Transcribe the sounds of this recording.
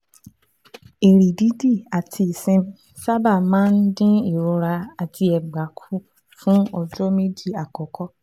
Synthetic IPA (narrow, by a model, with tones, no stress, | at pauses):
e˨ɾi˨di˨˦di˦˨a˨tʰi˧e˨sẽ˧m˨ | sa˦ba˦˨mãː˦n̩˦dĩ˦i˨ɾo˨˧˦ɾa˧a˨tʰi˧ɛ˨ɡ͡ba˨˦kʰu˦ | fũ˦ɔ˧d͡ʒɔ˦me˦di˦˨a˨kɔ˨kɔ˦